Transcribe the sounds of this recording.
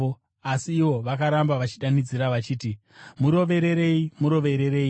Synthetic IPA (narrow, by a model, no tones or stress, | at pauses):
asiːʋo̞ʋakaɾambaʋat͡ʃiɗanid͡ziɾaʋat͡ʃiːti | muɾo̞ʋe̞ɾe̞ɾe̞imuɾo̞ʋe̞ɾe̞ɾeːi